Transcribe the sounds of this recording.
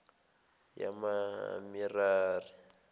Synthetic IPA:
ja̰mamiraːri

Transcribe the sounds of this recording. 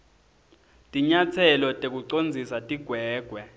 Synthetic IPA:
tʼiɲat͡sʰɛlɔtʼek̬uǀond͡zʱisatʼiɡ̥ʱwɛːɡ̥ʱwɛ

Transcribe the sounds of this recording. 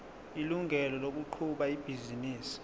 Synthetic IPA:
iluŋʱɛlɔlok̬uǃʰuɓaib̥ʱiziniːsi̥

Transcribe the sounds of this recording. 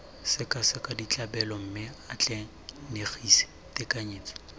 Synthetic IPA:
sɪkʼasɪkʼadit͡ɬʼabɛlɔm̩mɪat͡ɬʼɛ | neχisɪ̥ | tɪkʼaɲeːt͡sʼḁ

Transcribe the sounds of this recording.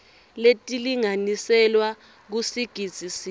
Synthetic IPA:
letʼiliŋanisɛlwa | k̬usiɡ̥ʱid̥z̥ʱisi

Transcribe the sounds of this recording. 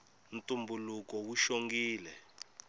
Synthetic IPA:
ntʼumbulukɔwuʃoŋɡiːlɛ

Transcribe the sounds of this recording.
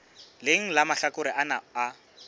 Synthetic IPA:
lɪŋ̩lamaɬakʊɾɪʔanaa

